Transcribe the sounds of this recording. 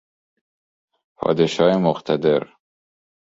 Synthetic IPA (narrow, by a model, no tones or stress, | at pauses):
pʰɒ̰ːd̪eʃɒːemoqt̪ʰad̪eɾ